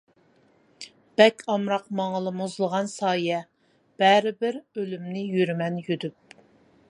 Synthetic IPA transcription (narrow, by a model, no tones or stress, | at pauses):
b̥ɛkʲɑmɾɑqmɑŋəlˠɨmuzlˠəʁɑnsɑːjɛ | b̥æɾɪbɪɾølymnɪjyɾmɛnjyd̪yp̚